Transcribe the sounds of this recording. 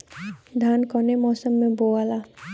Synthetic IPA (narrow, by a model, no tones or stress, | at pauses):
d̪ʱaːnkɔnemɔːsəmːẽboːala